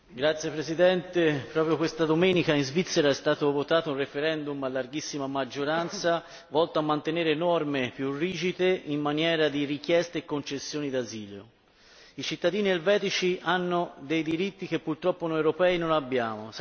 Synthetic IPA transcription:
ɡɾat̪sːjepɾezid̪ɛnt̪epɾɔːpɾjokwest̪ad̪omɛːnikainzvit̪sːeɾaɛst̪aːt̪ovot̪aːt̪ounrefeɾɛnd̪umalːarɡisːimamad͡ʒːoɾant̪sa | vɔlt̪oamːant̪eneːɾeːnɔrmepjurːiːd͡ʒid̪eimːanjɛːɾad̪irik̟jɛst̪eekːont͡ʃesːjoːnid̪aziːljo̰ | it͡ʃit̪ːad̪iːnielvɛːt̪it͡ʃiʔanːod̪ejd̪iɾit̪ːik̟epːurt̪ɾɔpːonɔjewɾopɛːinonabːjaːmos

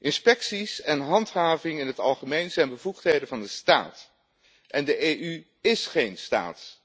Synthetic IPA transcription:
ʔɪnspɛksisɛnɦɑntɦaːvɪŋɪnɦətɑ̰lˠχəmejnzɛjnbəvuχtɦejdənvɑndəsta̰ːt | ʔɛndəʔeʔy | ɪsχejnsta̰ːt

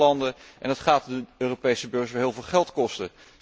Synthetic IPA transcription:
ɑndəʔɛ̰ndɑtχaːtdəøːropejsəbøɹχʋəɦɪːlˠvɪːlˠχɛlˠtkɔstə

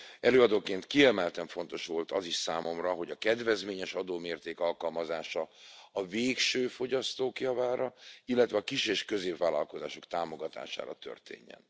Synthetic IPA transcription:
ɛløːɒd̪oːkeːnt̪kiɛmɛlt̪ɛɱfo̞nt̪o̞ʃʋo̞lt̪ɒziʃsaːmʔo̞mrɒɦo̞ɟɒkɛd̪vɛzmeːɲɛʃɒd̪oːmeːrt̪eːkɒlkɒlmɒzaːʃɒɒveːkʃøːfo̞ɟɒst̪oːkjɒvaːɾɒilːɛt̪vɛɒkiʃeːʃkø̞zeːpvaːlɒ̰lko̞zaːʃo̞kt̪aːmo̞ɡɒt̪a̰ːʃa̰ːɾɒ̰t̪ø̰rt̪ḛːɲːɛ̰n

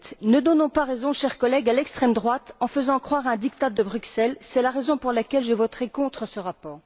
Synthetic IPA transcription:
t̪nəd̪ɔnɔ̃paʁezɔ̃ʃɛʁkɔlɛɡalɛkst̪χɛmd̪ʁwat̪ɑ̃fəzɑ̃kχwaʁɛ̃d̪ik̚t̪ad̪əbʁyksɛlsɛlaʁezɔ̃puʁlakʲɛlʒevɔt̪χekɔ̃t̪χəsəʁapɔːʁ

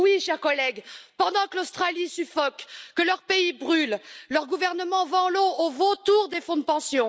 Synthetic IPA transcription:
wiʃɛʁkɔlɛɡpɑ̃d̪ɑ̃kəlost̪χalisyfɔkːəlœʁpeibʁylːœʁɡuvɛʁnəmɑ̃vɑ̃loovot̪uʁd̪efɔ̃d̪əpɑ̃sjɔ̃

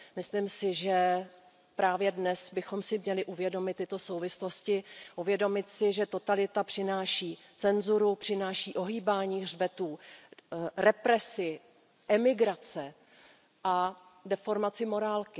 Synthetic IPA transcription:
mɪsliːmsɪʒɛ | pɾaːvjɛdnɛsbɪxo̞msɪmɲɛlɪʔuvjɛdo̞mɪt̪ːɪt̪o̞so̞wvɪslo̞scɪʔuvjɛdo̞mɪt̪sɪʒɛt̪o̞t̪alɪt̪apr̥ɪnaːʃiː | t͡sɛnzuɾupr̝̥ɪnaːʃiːʔo̞ɦiːbaːɲiːɣr̝bɛt̪uː | ɾɛpɾɛsɪ | ʔɛmɪɡɾat͡sɛ | ʔadɛfo̞ɾmat͡sɪmo̞ɾaːlkɪ

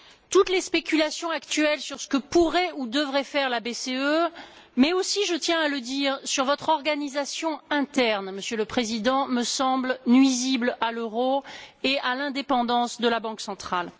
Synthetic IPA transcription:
t̪ut̪lespekʲylasjɔ̃akt̪ɥɛlsyʁsə̥kəpuʁɛud̪əvʁɛfɛʁlabeseø | mɛosiʒət̪jɛ̃aləd̪iːʁsyʁvɔt̪χɔʁɡanizasjɔ̃ɛ̃t̪ɛʁnməsjələpχezid̪ɑ̃məsɑ̃blnɥiziblaløʁoealɛ̃d̪epɑ̃d̪ɑ̃sd̪əlabɑ̃ksɑ̃t̪χal

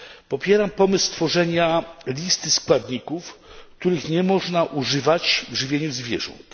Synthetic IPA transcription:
pɔpʲjɛɾampɔmɘsːt̪fɔʐɛɲalʲist̪ɘskwad̪ɲikufk̚t̪uɾɘxɲɛmɔʐnaʔuʐɘvat͡ɕvʐɘvʲjeɲuzvʲjɛ̰ʐɔ̰nt̪

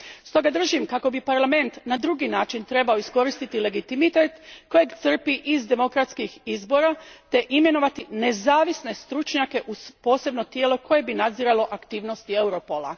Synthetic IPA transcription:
st̪o̞ɡad̪r̩ʒimkako̞bipaɾlame̞nt̪nad̪ɾuɡinaːt͡ʃint̪ɾe̞baoisko̞ɾist̪it̪ile̞ɡit̪imit̪et̪ko̞jeɡt̪sr̩piʔizd̪e̞mo̞kɾat̪skixizbo̞ɾat̪e̞ʔime̞no̞ʋat̪ine̞zaːʋisne̞st̪ɾut͡ʃɲake̞ʔuspo̞ːse̞bno̞t̪jeːlo̞kʰo̞je̞binad̪ziɾalo̞ʔakt̪iːʋno̞st̪ie̞wɾo̞po̞lˠa̰

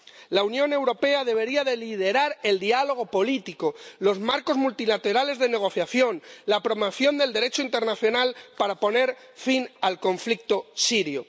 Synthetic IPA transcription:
launjõ̞ne̞wɾo̞pe̞aðe̞β̞e̞ɾiaðe̞lið̞e̞ɾaɾe̞ld̪ialo̞ɣ̞o̞po̞lit̪ikolo̞zmaɾko̞zmult̪ilat̪eɾale̞zðe̞ne̞ɣ̞o̞θjaθjo̞nlapɾo̞moθjo̞nd̪eld̪e̞ɾe̞t͡ʃoint̪e̞ɾnaθjo̞nalpaɾapo̞ne̞ɾ | finalko̞ɱflik̚t̪osiɾjo

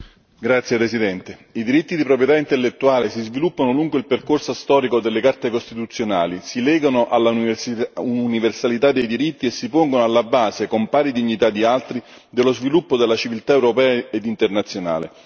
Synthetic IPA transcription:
ɡɾat̪sːjepɾesid̪ɛnt̪eid̪iɾit̪ːid̪ipɾopɾjet̪aint̪elːet̪ːuaːlesizvilupːanoluŋɡoeilperkorsost̪ɔːɾikod̪elːekart̪ekost̪it̪ut̪sːjona̰ːlisilɛːɡanoʔalːa | uuniversalit̪ad̪ːejd̪iɾit̪ːiesːipoŋɡonoalːabaːsekompaːɾid̪iɲːit̪ad̪ːialt̪ɾi | d̪elːozvilupːod̪elːat͡ʃivilt̪aewɾopɛːaed̪int̪ernat̪sːjona̰ːlḛ

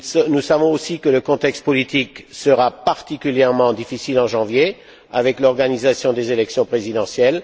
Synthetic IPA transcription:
snusavɔ̃osikələkɔ̃t̪ɛkst̪̚pɔlit̪iksəʁapaʁt̪ikʲyljɛʁmɑ̃d̪ifisilɑ̃ʒɑ̃vje | avɛklɔʁɡanizasjɔ̃d̪ezelɛksjɔ̃pχezid̪ɑ̃sjɛl

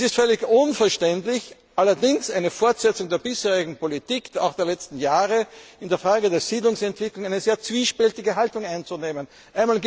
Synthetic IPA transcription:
sɪstfœlɪçʔʊnfɛɐʃtɛntlɪç | ʔalɐdɪŋsaɪnəfɔɐtz̥ɛt͡sʊŋdeːɐbɪsheːʁɪɡŋ̩politiːka̰ʊxd̥eːɐlɛt͡stn̩jaːʁəɪndeːɐfʁaːɡədeːɐz̥iːdlʊŋsɛntv̥ɪklʊŋæɪnəzeːɐt͡sv̥iːʃpɛltɪɡəɦaltʊŋaɪnt͡sʊneːmən | ʔaɪnmaːlɡ

